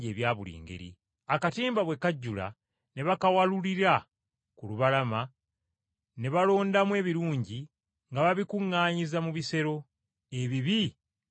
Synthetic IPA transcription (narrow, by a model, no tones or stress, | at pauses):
e̞ːβjaːβulḭːŋɡe̞̰ɾḭ | akatiːmbaβwe̞kaɟːula̰ | ne̞βakawaluliɾa | kuluβalama | ne̞βalo̞ːndamwe̞ːβiɾuːɲɟi | ŋɡaβaβikuŋːaːɲizamuβise̞ɾo̞ | e̞βiβi